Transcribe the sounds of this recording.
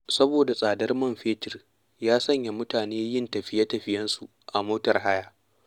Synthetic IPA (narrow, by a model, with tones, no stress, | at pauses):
sɐ˦boː˨da˨sʼaː˨dɐ˦rmɐ˦mɸeː˦tɪ˨r | jaː˦sɐ˦ɲja˨mʊ˦taː˨neː˦jɪ˦ntɐ˨ɸɪ˦ja˦tɐ˨ɸɪ˦jɐ˦nsu˨ | ʔa˨moː˦tɐ˨rɦa˦jaː˦˨